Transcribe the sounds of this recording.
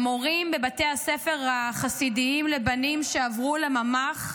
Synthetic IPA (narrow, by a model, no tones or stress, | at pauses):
moʁimbe̞bate̞jasefe̞ʁaχasidiimle̞banimʃeavʁulemamaχ